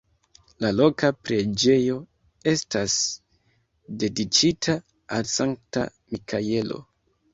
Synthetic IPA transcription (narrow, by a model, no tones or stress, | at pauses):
lalo̞kapɾe̞d͡ʒe̞jo̞ | e̞stas | de̞dit͡ʃitʰa | alsaŋk̚ta̰ | mikʰaje̞lo̞̰